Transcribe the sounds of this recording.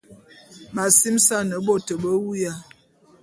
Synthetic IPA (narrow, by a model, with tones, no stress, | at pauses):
ma˨si˦msa˦nə˨˦bo˦tə˨bə˦wu˦ja˦˨